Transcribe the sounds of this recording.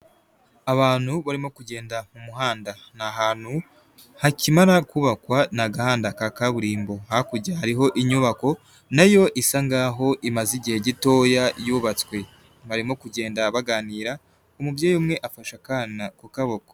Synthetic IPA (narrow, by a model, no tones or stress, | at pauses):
aβaːn̥huβaɾimo̞kuɟe̞ːndamumuɦaːndanaɦaːn̥hu | hacimaɾakuβakwanaɡahaːndakakaβuɾiːmbo̞hakuɟahaɾiɦo̞ʔiɲuβako̞ | najo̞ʔisaŋɡaːɦo̞ʔimaziɟihe̞ɟito̞ːjajuːβat͡swe̞ | βaɾimo̞kuɟe̞ːndaβaɡaːniːɾa | umubjeːjumŋe̞ʔafaʃakanakokaβo̞ko̥